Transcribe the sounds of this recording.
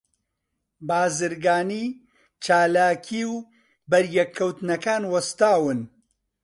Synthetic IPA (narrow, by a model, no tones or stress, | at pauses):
baːzɨɾɡaːniː | t͡ʃaːlaːkʰiːw | bɐɾjɛkʰːɐwt̪nɐkaːnwɐst̪aːwɨn